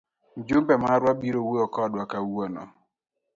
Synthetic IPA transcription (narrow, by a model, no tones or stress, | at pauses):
n̩d͡ʒumbɛmaɾwabiɾoweɔkɔdwakauwɔnɔ̰